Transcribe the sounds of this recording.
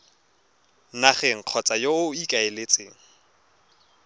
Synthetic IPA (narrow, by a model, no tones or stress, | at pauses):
naχɛŋ̩q͡χʰɔt͡sʼajoʊikʼaelet͡sʼḛːŋ̩